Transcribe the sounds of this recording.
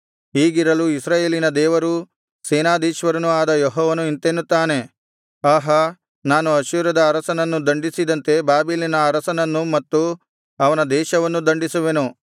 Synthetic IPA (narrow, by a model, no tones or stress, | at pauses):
ɦiːɡiɾɐluisɾaːjeːlinɐd̪ɛːʋɐɾu | seːnaːd̪iːʃʋɐɾɐnuaːd̪ɐjɔɦɔːʋɐnuint̪enːut̪ːaːne̞ | aːɦɐ | naːnuɐʃiːɾɐd̪ɐːɾɐsɐnɐnːud̪ɐɳɖisid̪ɐnt̪e̞baːbilinɐːɾɐsɐnɐnːumɐt̪ːu | ɐʋɐnɐd̪ɛːʃɐʋɐnːud̪ɐɳɖisuʋenu